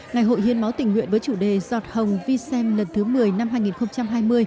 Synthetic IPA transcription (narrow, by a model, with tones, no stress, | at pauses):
ŋa˨˩jɦo̰˧˨jhi˧ənma˨˦wt̪ï˨˩ŋ̟ŋwḭ˧˨ənvəː˨˦jt͡ɕu˧˩ɗe˨˩zɔ˨˩t̚hə˨˩wŋ͡mvi˧sɛ˧mlə˨˩nt̪ʰɨ˨˦mɨ˨˩əjna˧mɦaː˧jŋi˨˩nxə˧wŋ͡mt͡ɕa˧mɦaː˧jmɨ˧əj